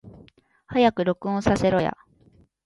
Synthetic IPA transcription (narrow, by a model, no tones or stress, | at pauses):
hajakɯ̟ɾo̞kɯ̟̃õsase̞ɾo̞ja̰